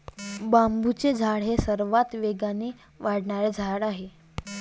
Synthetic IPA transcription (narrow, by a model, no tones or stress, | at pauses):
bambut͡sed͡zʱaɽ̤ɦesəɾʋat̪ʋeɡaneː | ʋaɽɳaɾed͡zʱaɽaɦe